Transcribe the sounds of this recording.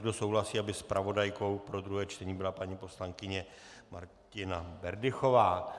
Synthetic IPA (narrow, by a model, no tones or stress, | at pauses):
ɡdo̞so̞wlasiːabɪspɾʔavo̞dajko̞wpɾo̞d̪ɾuɦɛːt͡ʃt̪ɛɲiːbɪlapaɲiːpo̞slaŋkɪɲɛ | maɾcɪnabɛɾdɪxo̞vaː